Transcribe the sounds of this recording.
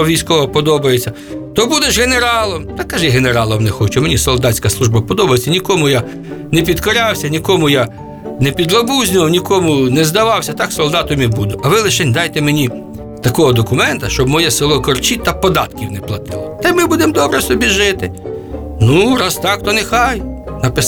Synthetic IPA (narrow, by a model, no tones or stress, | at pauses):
ɔʋʲijsʲkɔʋɐpɔd̪ɔbɐjet͡sʲːɐ | t̪ɔbud̪eʒɣeneɾɑlˠɔmt̪ɐkːɐʒɪɦeneɾɑlˠɔmnɛxɔt͡ʃɛmenʲisɔlˠd̪ɑt͡sʲkɐslˠuʒbɐpɔd̪ɔbɐjet͡sʲːɐnʲikɔmʊja | nɛpʲid̪kɔɾʲawsʲɐnʲikɔmʊja | nɛpʲid̪lˠɐbuzʲnʲʊʋɐwnʲikɔmʊnɛzd̪ɐʋɑwsʲɐt̪ɑksɔlˠd̪ɑt̪ɔmʲibud̪ʊʔɐʋɪlˠɪʃɛnʲd̪ɑjt̪ɛmenʲi | t̪ɐkɔɦɔd̪ɔkʊmɛnt̪ɐʃt͡ʃɔbmɔjɛsɪlˠɔkɔrt͡ʃit̪ɐpɔd̪ɑt̪kʲiwnɛplˠɐt̪ɪlˠɔt̪ɐmɪbud̪emd̪ɔbɾɛsɔbʲiʒɪt̪ɪ | nuɾɑst̪ɑkt̪ɔnexɑjnɐpɪ